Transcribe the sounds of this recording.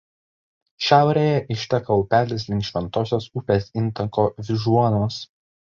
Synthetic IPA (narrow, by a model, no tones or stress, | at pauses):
ʃʲæˑʊɾʲejɛʔɪʃʲt̪ʲɛkɐʊpʲæːlʲɪslʲɪŋʲkʃʲʋʲɛnt̪oːsʲoːsʊpʲeːsɪnt̪ɐkoːʋʲɪʒuɔnoːs